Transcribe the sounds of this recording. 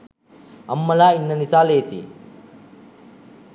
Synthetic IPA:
ɐmːɐlaːinːɐnisaːleːsḭ

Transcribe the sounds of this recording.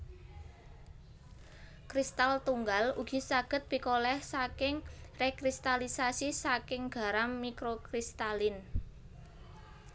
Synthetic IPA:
kɾist̪alt̪uŋɡaluɡ̥i̤saɡ̥ə̤t̪̚b̥i̤kolɛhsakɪŋrekɾist̪alisasisakɪŋɡ̥a̤ɾamːikɾokɾist̪alɪn

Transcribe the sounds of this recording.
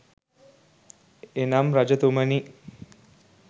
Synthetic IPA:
enamɾad͡ʒət̪uməni

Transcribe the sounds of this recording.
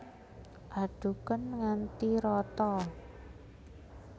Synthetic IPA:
ʔaɖ̥ṳkənŋant̪iɾɔt̪ɔ

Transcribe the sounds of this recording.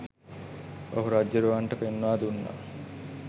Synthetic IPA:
oɦuɾad͡ʒːɐɾuʋaɳʈəpenːuʋaːd̪unːa̰

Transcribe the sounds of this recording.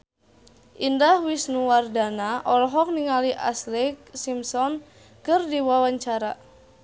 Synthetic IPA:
ʔindahwisnuwardanaʔɔlɔɦɔk̚niŋaliʔa̰slɪk̚simsɔn | kɨrdiwawaɲt͡ʃaɾa

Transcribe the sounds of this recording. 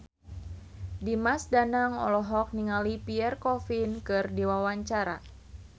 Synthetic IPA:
dimasdanaŋɔ̰lɔɦɔk̚niŋalipiɛrkɔfinkɨrdiwawaɲt͡ʃaɾa̰

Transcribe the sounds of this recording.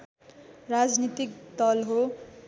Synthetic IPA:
rad͡znit̪ik̚d̪ʌlɦo

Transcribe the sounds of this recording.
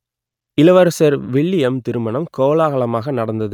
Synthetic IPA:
ɪlɐʋɐɾsɐɾʋɪɭːɪjɛmt̪ɪɾɯmɐɳɐmkoːlaːɣɐɭɐmaːɣɐnɐɽɐnd̪ɐðɯ

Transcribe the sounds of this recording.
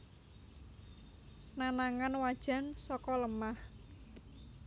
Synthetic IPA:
nanaŋanwad̥ʒ̥a̤nsɔkɔləmah

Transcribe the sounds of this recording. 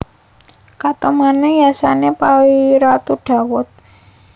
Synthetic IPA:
kat̪omanɛjasanepawiɾat̪uɖ̥a̤wʊt̪̚

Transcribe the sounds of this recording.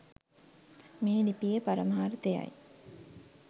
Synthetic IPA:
meːlipijepaɾəmaːɾt̪eja̰j

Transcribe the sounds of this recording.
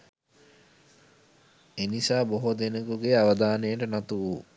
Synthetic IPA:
enisaːboɦod̪enəkuɡeaʋəd̪aːnejəʈənat̪uʋu

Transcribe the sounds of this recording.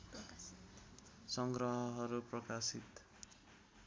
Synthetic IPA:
sʌŋɡrʌɦʌɦʌɾuprʌkasit̪

